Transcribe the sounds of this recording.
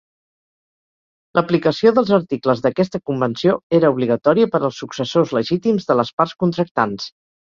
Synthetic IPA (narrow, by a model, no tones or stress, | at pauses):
ləplikəsioðəlˠzəɾt̪ikləzðəkɛst̪əkumbənsijoeɾəuβ̞liɣət̪ɔɾiəpəɾəlˠsːuksəsozləʒit̪imzðələspaɾskunt̪ɾək̚t̪ans